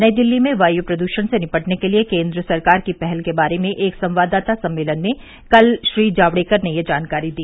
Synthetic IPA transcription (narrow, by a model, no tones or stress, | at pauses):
nɐid̪ɪlːimẽʋaːjupɾɐd̪uːʃəñsenɪpəʈnekeliekẽːnd̪ɾəsɐɾkaːɾkipɛɦɛlkebaːɾemẽʔeːksɐ̃mʋaːd̪aːt̪asɐ̃mːeːlənmẽ | kɐlʃɾiːd͡ʒaːʋɽeːkɐɾnejed͡ʒaːnkaːɾid̪iː